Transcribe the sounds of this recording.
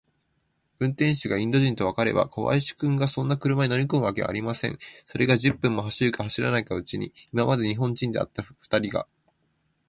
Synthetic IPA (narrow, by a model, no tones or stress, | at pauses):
ɯ̟̃nt̪ẽ̞ɰ̃ɕiɡaĩnd̪o̞ʑĩnt̪o̞β̞akaɾe̞̰ba̰kʰoβa̰iɕi̥kɯ̟̃ŋɡasõ̞nːakɯ̟ɾɯmaɲʲino̞mʲiko̞mɯ̟βake̞a̰ɾʲimasẽ̞̰ɴso̞ɾe̞ɡaʑɨpːɯ̟̃mːo̞ɦaɕiɾɯ̟kahaɕiɾa̰naikaɯ̟t͡ɕiɲ̟iimamad̪e̞ɲ̟iɦõ̞ɲ̟d͡ʑĩnd̪e̞a̰t̪ːaɸɯ̥t̪aɾʲiɡa̰